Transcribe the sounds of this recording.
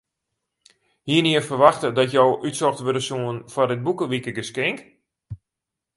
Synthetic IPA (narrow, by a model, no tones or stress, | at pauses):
hiəniərfərʋaxtədɔtjowʔytsɔxtʋødəsuənfɔrdɪt̚bukəʋikəɡəskɪŋk